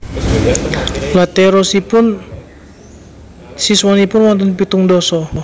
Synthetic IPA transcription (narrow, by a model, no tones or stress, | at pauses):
lat̪ɛɾɔsipʊn | siswanipʊnwant̪̬ɔnpit̪uŋdɔsɔ